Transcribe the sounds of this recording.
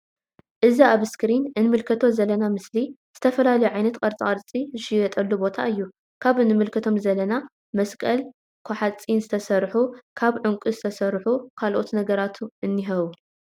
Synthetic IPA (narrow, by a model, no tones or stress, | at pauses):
ʔɨziaβɨskɾinɨnɨmɨlkʰɐt̪ʰo̞zɐlːɐnamɨsliz̥ɨt̪ʰɐfɐlalɐjuʕajnɐt̪kʼɐɾt͡sʼaɐɾt͡sʼiɨʃijɛt̪ʼɐlːubo̞t̪ʰa̰ɨjːu | kʰaβɨnɨmɨlkʰɐt̪ʰo̞mzɐlːɐna | mɐskʼɐl | kʰoħat͡sʼinzɨt̪ʰɐsɐɾħukʰaβʕʊŋkʼuzɨt̪ʰɐsɐɾħukʰalʔo̞t̪nɐɡɐɾat̪ʰuʔɨnːiɦɐβu